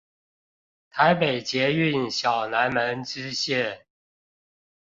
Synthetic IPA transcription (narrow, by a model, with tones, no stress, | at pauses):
t̪ʰa˧˥ɪpe˨˩ɪt͡ɕjɛ˧˥y˥˨nɕjɑ˨˩ʊna˧˥nmə˧˦˥nʈ͡ʂɻ̩˦ɕjɛ˥˨